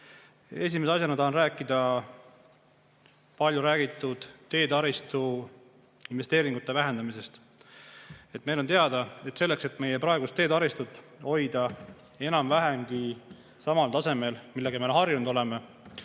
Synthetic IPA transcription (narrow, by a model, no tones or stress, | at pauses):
e̞s̬ʲimeseɑs̬ʲjɑnɑt̪ɑhɑnræːkˑːid̪̥ɑ | pɑlʲjuɾæːɡ̥it̪ːˑud̪̥t̪ːe̞ːd̪ɑɾist̪u | inve̞st̪eːɾiŋɡut̪ːˑe̞væɦe̞nd̪ɑmise̞st̪ | e̞t̪ːme̞jlo̞nt̪eɑd̪̥ɑe̞t̪se̞lːe̞kse̞t̪ːme̞jepɾɑeɡust̪ːe̞ːd̪ɑɾist̪ut̪ːˑ | ho̞jd̪ɑ | e̞nɑmvæɦemɡi | sɑmɑlt̪ɑse̞me̞lmilːeɡɑmenɦɑrjunud̪ole̞me